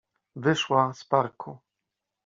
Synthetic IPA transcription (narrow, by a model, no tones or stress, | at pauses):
vɘʂwaspaɾkʰu